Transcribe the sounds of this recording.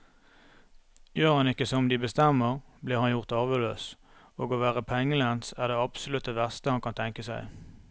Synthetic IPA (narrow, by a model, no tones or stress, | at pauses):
jøːʁhɑnɪkːəsɔmd̪iːbəst̪ɛmːəʁbliːʁhɑnjʊʁt̪ɑːʋəløːs | oːɡoʋæːʁəpʰɛŋːəlænsæːʁd̪eːɑpsʊlʉt̪̚d̪əʋæʁst̪əhɑnkɑnt̪ʰɛŋkəsæɪ